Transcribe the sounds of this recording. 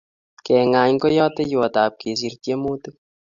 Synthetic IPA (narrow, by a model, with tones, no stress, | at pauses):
kɛ˨ŋa˨ɲŋko˦jɔ˦tɛ˦jo˨ta˨p̚ke˨s̬i˨ɾtje˦mo˦tɨ˦